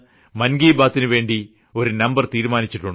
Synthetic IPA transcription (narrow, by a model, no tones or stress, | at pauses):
mɐnɡiːbaːt̪ːinɨʋe̞ːɳɖi | o̞ɾunɐmbɐrt̪iːɾumaːnit͡ɕːiʈːuɳɖɨ